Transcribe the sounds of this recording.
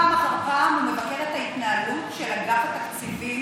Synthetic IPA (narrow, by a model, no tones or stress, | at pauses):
maχafamumevɐkeʁet̪hait̪naːlut̪ʃelaɡafat̪aksivi